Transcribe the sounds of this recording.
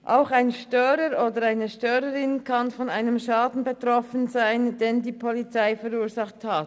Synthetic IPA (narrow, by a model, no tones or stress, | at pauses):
ʔaʊxaɪnʃtœʏɾəɾoːdəɾaɪnəʃtœːɾəɾɪnkʰɑnfɔnaɪnəmʃɑːdn̩betʁ̥ɔfənzaɪnd̥endiːpʰolit͡saɪfəɾuːzɑχthat